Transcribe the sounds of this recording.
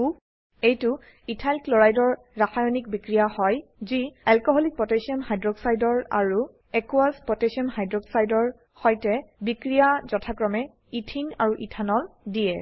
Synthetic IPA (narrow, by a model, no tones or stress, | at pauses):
u | ejtʊ | itʰalklɔɹajdɔɹ | ɹaxajɔnik̚bikɹijahɔjziɛlkɔɦɔlik̚pɹɔtesiɔnɦajdɹɔksajdɔɹa̰ɹu | ɛkuazpɔtesiɔnhajdɹɔksajdɔɹ | xɔjtɛbikɹijazɔtʰakɹɔmɛ | itʰina̰ɹuʔitʰanɔldiɛ